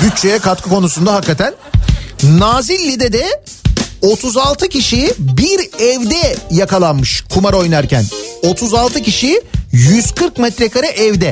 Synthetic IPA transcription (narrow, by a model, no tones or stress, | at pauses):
byt͡ʃt͡ʃːejɛkat̪kʰɯkʰo̞nus̬und̪aɦakːat̪ʰæn | naːzilʲːid̪ɛd̪ɛ | o̞t̪ʰuzalˠt̪ʰɯcʰiʃibiɾɛvd̪ɛjakʰalˠanmɯʃkʰumaɾo̞jnaɾcʰæ̰no̞t̪ʰuzalˠt̪ʰɯciʃijyz̥kʰɯɾkmɛt̪ɾekaɾɯʔɛvd̪ɛ